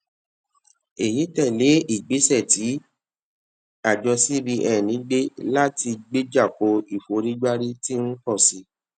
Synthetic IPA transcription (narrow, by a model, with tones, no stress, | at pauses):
e˨ji˨˦tɛ˦˨le˨˦i˦˨ɡ͡be˨˦sɛ˦˨ti˨˦ | a˦˨d͡ʒɔ˧si˦ɾi˧ʔɛ˦˨nĩ˨˦ɡ͡be˦la˦ti˧ɡ͡be˦d͡ʒa˦˨ko˨˦i˦˨fo˨˦ɾi˦ɡ͡ba˦ɾi˦ti˦ñ̩˦kɔ˦˨si˧˦